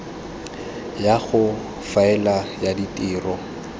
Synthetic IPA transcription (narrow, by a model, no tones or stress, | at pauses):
jaɣʊ | faɛlajaditʼɪːrɔ